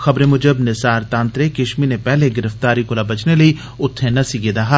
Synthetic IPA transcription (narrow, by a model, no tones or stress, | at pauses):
xɐbɾẽmʊd͡ʒəbnɪsaːɾt̪ãːnt̪ɾekɪʃminepɛɦleɡɪɾəft̪aːɾikolabɐt͡ʃneləi | ʊt̪ʰːẽnɐsiɡed̪aːɦaː